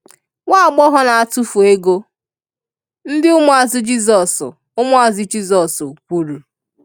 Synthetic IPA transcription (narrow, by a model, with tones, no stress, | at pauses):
ŋa˦a˨ɡ͡bɔ˦ɦɔ˦na˨a˨tu˦fu˨e˦ɡo˦ | n̩˦dɪ˦ʊ˦mʊ˦a˨zɪ˦d͡ʒi˦zɔ˨sʊ̰˨ | ʊ˦mʊ˦a˨zɪ˨d͡ʒi˦zɔ˨sʊ˨kʷu˨ɾu˨